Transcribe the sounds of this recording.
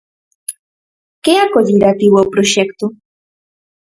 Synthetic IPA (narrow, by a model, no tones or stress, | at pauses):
keakoviɾat̪iwopɾoʃɛkt̪u